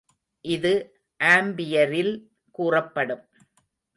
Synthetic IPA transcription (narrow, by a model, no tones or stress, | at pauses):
ʔɪðɯ | ʔaːmbɪjɐɾɪl | kuːrɐpːɐɽɯm